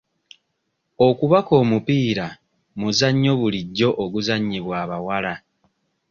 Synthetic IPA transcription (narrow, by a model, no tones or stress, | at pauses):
o̞kuβako̞ːmupiːɾa | muzaɲːo̞βuliɟːo̞ʔoɡuzaɲːiβwaːβawala